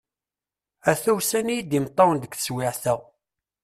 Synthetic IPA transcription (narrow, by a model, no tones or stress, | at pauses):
æθuwsænijid̪imt̪ˤːɑnd̪əkθə̥swɪʕθæ